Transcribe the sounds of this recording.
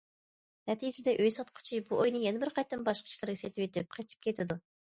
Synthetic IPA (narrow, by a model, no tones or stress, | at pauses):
nɛt̪ʰid͡ʒɪd̪ɛʔøjsɑt̪qʰʊ̥t͡ʃʰibuʔojnɨjɛnɪbɪɾqʰɑjt̪ːɨnbɑʃqʰɑ̥ʃlˠɨɾɡʲɑset̪ʰɪwet̪ʰɪp̚qʰɑjt̪ʰɪ̥p̚kʲʰet̪ʰɪd̪u